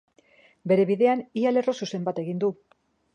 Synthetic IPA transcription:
be̞ɾe̞βiðe̞aniale̞ro̞suse̞mbat̪e̞ɣ̞ind̪u

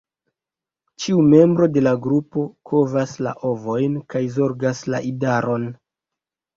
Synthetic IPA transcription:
t͡ʃiume̞mbɾo̞de̞laɡɾupo̞kʰo̞vasla̰ʔo̞vo̞jnkajzo̞ɾɡasla̰ʔidaɾo̞n

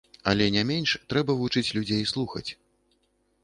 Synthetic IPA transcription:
ɐ̰lʲɛnʲamʲɛnʲʂt̪ɾɛbɐvut͡ʂɨt͡sʲlʲud͡zʲejislˠuxɐ̰t͡sʲ

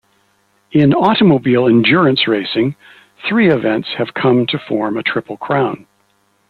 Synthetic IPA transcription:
ɪ̃nɑɾɨmoʊbilˠɨ̃nd͡ʒʊɹɨ̃nsɹeɪsɪ̃ŋ | θɹiɨvɛ̃ntshɨv̥kʰʌ̃mtʰɨfɔɹmɨtʰɹ̥ɪpl̩ˠkʰɹ̥ãʊ̃n

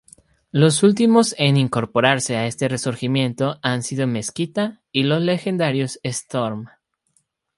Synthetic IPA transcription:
lo̞sult̪̬imo̞se̞niŋko̞ɾpo̞ɾaɾse̞ae̞st̪e̞re̞soɾximjẽ̞nt̪o̞ansiðo̞me̞skit̪a | ilo̞sle̞xe̞nd̪aɾjo̞sest̪o̞ɾm

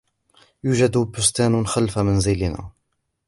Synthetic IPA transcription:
juːʒæd̪ʊbʊst̪æːnʊnxalfamænzɪlɪna̰

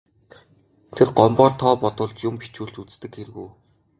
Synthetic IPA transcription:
t̪ʰerɢɔmpɔːrt̪ʰɔːpɔt̪ʊːɮt͡ɕjʊmpit͡ɕuːɬt͡ɕut͡st̪ɘ̆kxerɣuː

